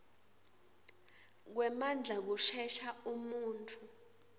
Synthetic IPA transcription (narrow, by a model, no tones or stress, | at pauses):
k̬wɛmand͡ɮʱak̬uʃɛʃaumuːntʰu